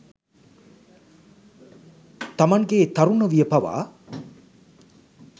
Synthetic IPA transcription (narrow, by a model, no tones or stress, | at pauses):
t̪ɐmɐŋɡeːt̪ɐɾunəʋijəpɐʋa̰ː